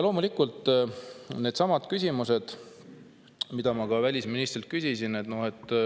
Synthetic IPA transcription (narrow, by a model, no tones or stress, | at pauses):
lo̞ːmulikult̪ː | ne̞ːd̪sɑmɑd̪̥kysʲimuse̞d̪̥ | mid̪̥ɑmɑkɑvælʲisminist̪rilt̪̚kysʲisinet̪nohe̞t̪ːˑ